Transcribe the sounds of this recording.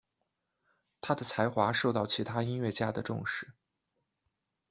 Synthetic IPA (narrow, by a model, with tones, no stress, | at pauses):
t̪ʰa˥d̪ə˨t͡sʰa˧˥ɪxwa˧˥ʂo˥˧ʊt̪ɑ˥˩ʊt͡ɕʰi˧˥t̪ʰa˥i˥nɥɛ˥˩t͡ɕja˥d̪ə˨ʈ͡ʂʊ̰˥˧ŋʂɻ̩˥˩